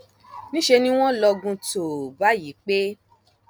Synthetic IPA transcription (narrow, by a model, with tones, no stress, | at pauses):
nĩ˦ʃe˧nĩ˦w̃ɔ̃˦lɔ˧ɡũ˧to˨ba˨˦ji˨˦k͡pe˦